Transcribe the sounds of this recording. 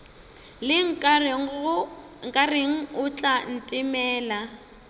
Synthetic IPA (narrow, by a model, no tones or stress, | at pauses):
lɪŋ̩ | ŋ̩kʼareŋ̩ʊt͡ɬʼan̩tʼɪmɛːla